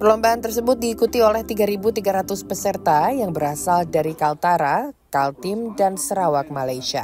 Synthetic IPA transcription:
pərlɔmbaɦant̪ərsəbʊt̪̚diːkut̪iolɛht̪iɡaɾibut̪iɡaɾat̪ʊspəsərt̪ajaŋbəɾasaldaɾikalt̪aɾakalt̪ɪmdansəɾawak̚malajʃia̰

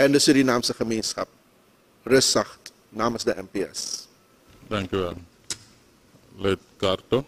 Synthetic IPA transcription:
ɛndəsədinaːmsəχəmeːnskɐ̰p̚ | rəsɐχt | naːməsdəʔɛmpeɛ̰s | t̪ɛ̃ŋkjuʋɛl | let̪̚karto

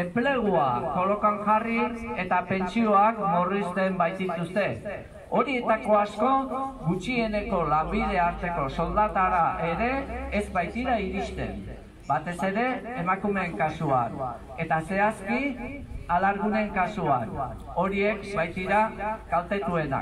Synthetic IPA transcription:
e̞mple̞ɣ̞uako̞lo̞kaŋʝarie̞t̪ape̞nt͡sio̞akmorist̪e̞mbajt̪it̪ust̪e̞ | o̞ɾie̞t̪ako̞asko̞ɣut͡ʃie̞ne̞ko̞lambiðe̞aɾt̪e̞ko̞so̞ld̪at̪aɾaʔe̞ɾe̞ːzbajt̪iɾaiɾist̪e̞̰m | bat̪e̞se̞ɾe̞ːmakume̞ŋkasuan | e̞t̪ase̞askialaɾɣune̞ŋkasuan | o̞ɾie̞kbajt̪iɾaɡalt̪e̞t̪ue̞na̰k

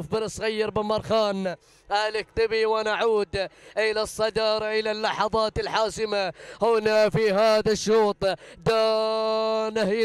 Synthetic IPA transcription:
fbɪnɪsˤɣajːɑɾbɪmɑɾˤxɑːn | ʔalɪk̚t̪ɪbiwanaʕuːd̪ʔɪlasˤːɑd̪ɑːɾˤɑʔɪlalːɑħɑðˤɑːt̪ɪlħaːsɪmahʊnafiɦaːðaʃːuːt̪ˤd̪a | nah

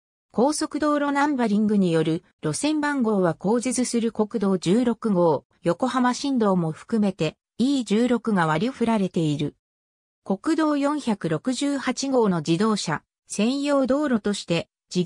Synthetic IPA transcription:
kʰo̞ːso̞kɯ̟d̪o̞ːɾo̞nãmbaɾʲĩŋɡɯ̟ɲ̟ijo̞ɾɯ̟ | ɾo̞sẽ̞mbãŋɡo̞ːβako̞ːʑit͡sɨsɨɾɯ̟ko̞kɯ̟d̪o̞ːd͡ʑɨːɾo̞kɯ̟ɡo̞ː | jo̞ko̞hamaɕĩnd̪o̞ːmo̞ɸɯ̥kɯ̟me̞t̪e̞ | iːd͡ʑɨːɾo̞kɯ̟ɡaβaɾʲiɸɯ̟ɾaɾe̞t̪e̞iɾɯ̟ | ko̞kɯ̟d̪o̞ːjõ̞ɰ̃çakɯ̟ɾo̞kɯ̟ʑɨːhat͡ɕiɡo̞ːno̞d͡ʑid̪o̞ːɕa̰ | sẽ̞ɰ̃jo̞ːd̪o̞ːɾo̞t̪o̞ɕi̥t̪e̞ | d͡ʑi

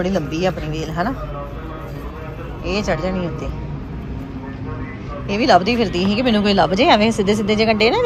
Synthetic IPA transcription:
əɽiːləmbiːaːpniːʋeːlɦɛ̃ːnaː | eːt͡ʃəɽd͡ʒaːnĩːʊt̪eː | eːʋiːləbd̪iːpʰɪɾt̪iːɦĩːkɪmɛːnũːkoːiːləbd͡ʒeːaʋẽːsɪd̪ːeːs̬ɪd̪ːeːd͡ʒeːkəɳɖeːnãː

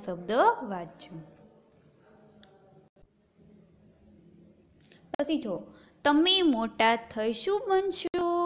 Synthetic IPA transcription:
səbd̪əʋad̪̚t͡ʃʰũ | pəsʰid͡ʒʰʱo | t̪əmemoʈat̪ʰəjʃũbənʃũ

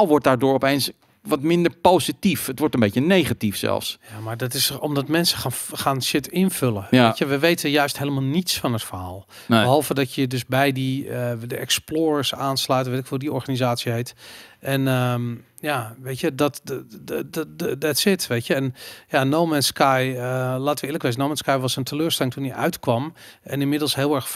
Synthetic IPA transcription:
lˠʋɔɹt̚daːɹdʊːɹɔpejns | ʋɔtmɪndəɹpowsitifətʋɔɹtənbejənejχatifsɛ̰lˠfsjamaɹdɔtɪsɔmdɔtmɛnsə̥xaχaːnʃɪtʰɪnføləəʋəʋejtəjœɥstɦejləmalˠnitsfɔnɦətfəɹɦaːlˠ | bəɦɔlˠvədɔtjədøsbɛjdiədəʔɛksploːɹəsaːnslœɥtəʋetɪkʋˠdiɔɹxanizaːsjəɦejtʔɛnəm | jaʋeːtjədɔt | dɛtsɪtʋeːtjəɛnjanoːmɛnskajəlaːtʋəɪːləkʋeːz̬ənowmɛnskajʋɑsəntʰəløːɹstɛlˠɪŋtʰunəʔœ̰ɥtkʋɑmʔɛnɪnmɪdəlˠsɦɪːlˠɛrx

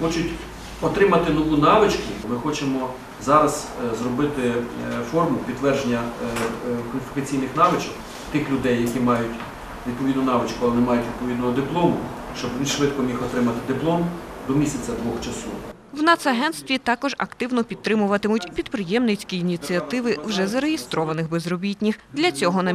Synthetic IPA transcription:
xɔt͡ʃʊtʲ | ɔt̪ɾɪmɐt̪ɪnɔʋunɑʋɪt͡ʃkʊmɪxɔt͡ʃemɔ | zɑɾɐz̥zrɔbɪt̪ɪfɔrmʊpʲid̪ːʋɛrʒenʲːɐ | kɔlʲɪfʲikɐt͡sʲijnɪxnɑʋɪt͡ʃɐk | t̪ɪxlʲʊd̪ɛjːɐkʲimɑjʊtʲ | ʋʲid̪̚pɔʋʲid̪nʊnɑʋɪt͡ʃkʊɐlˠɛnɛmɑjʊtʲʋʲid̪̥̚pɔʋʲid̪nɔɦɔd̪ɪplˠɔmʊ | ʃt͡ʃɔbʋʲiʃʋɪt̪kɔmʲixɔt̪ɾɪmɐt̪ɪd̪ɪplˠɔmd̪ɔmʲisʲɐt͡sʲɐd̪ʋɔxt͡ʃɐsɔ | wnɑt̪sɐɦɛnt̪st̪ʋʲit̪ɑkɔʒɐ̰kt̪ɪwnɔpʲid̪t̪t̪ːɾɪmʊʋɐt̪ɪmʊtʲpʲid̪pɾɪjɛmnɪt͡sʲkʲiːnʲit͡sʲiɐt̪ɪʋɪwʒɛzɐɾejist̪ɾɔʋɐnɪxbɛzɾɔbʲitʲnʲixd̪lʲɐt͡sʲɔɦɔnɐ

